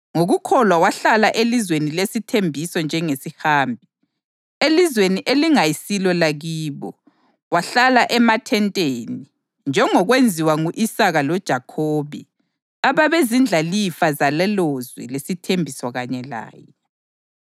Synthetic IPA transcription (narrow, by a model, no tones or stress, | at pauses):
ŋoɣukʰɔlwawaɬalaʔelizwenilesitʰembʱisɔnd͡ʒʱɛŋesihaːmbʱi | elizweniʔeliŋajisilɔlaɣiːβɔ | waɬalaʔɛmatʰɛntʼeːni | nd͡ʒʱɛŋɔɣwend͡zʱiwaŋuʔisaɣalɔd̥ʒ̥ʱakʰoːβɛ̰ | aβaβezind͡ɮʱalifazalɛlɔzwɛ̰lesitʰembʱisɔɣaɲɛla̰ːjɛ